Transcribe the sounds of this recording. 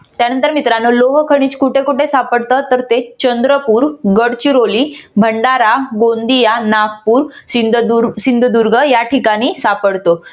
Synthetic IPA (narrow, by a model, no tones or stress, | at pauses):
t̪janənt̪əɾmit̪ɾanoloɦkʰəɽ̃iːt͡skuʈʰekuʈʰesapəɽt̪ət̪əɾt̪et͡ɕənd̪ɾəpuːɾɡəɽt͡ɕiɾoliːbʱəɳɖaɾaɡond̪ijanak̚puːɾusind̪ʱəd̪uɾɡʱəjaʈʰikaɽ̃iːsapəɽt̪o